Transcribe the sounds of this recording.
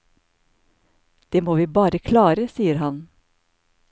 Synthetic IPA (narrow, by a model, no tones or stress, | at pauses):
d̪̥eːmoːʋiːbɑːɾəkʰlɑːɾəsiːəɾhɑn